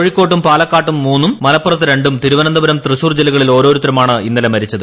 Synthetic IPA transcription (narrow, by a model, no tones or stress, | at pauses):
oɻikʲːo̞ːʈːumpaːlɐkːaːʈːumːuːnːumːɐlɐpːurɐt̪ːɨɾe̞ɳɖumt̪iɾuʋɐnɐnd̪ɐbɐɾɐmt̪rɨɕuːrd͡ʑelːiɣɐɭilo̞ːɾo̞ːɾut̪ːɾɐmaːɳɨinːɐlemɐɾit͡ɕːɐðɨ